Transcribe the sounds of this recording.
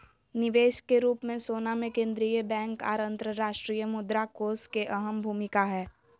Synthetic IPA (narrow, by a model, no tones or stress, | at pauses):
nɪʋeːʃkeɾuːpmẽsoːnamẽkẽːnd̪ɾijəbɛ̃ːŋka̰ːɾɐ̃nt̪ɾəɾaːʃʈɾiːjəmʊd̪ɾakoːskeʔɐɦəmbʱuːmɪkaɦɛː